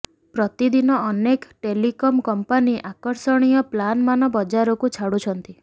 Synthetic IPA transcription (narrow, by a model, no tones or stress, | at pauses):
pɾɔt̪id̪inɔːnekʈelikɔmkɔmpaniʔakɔɾsɔɽ̃ijɔplanmanɔbɔd͡ʒaɾɔkut͡ʃʰaɽut͡ʃʰɔnt̪i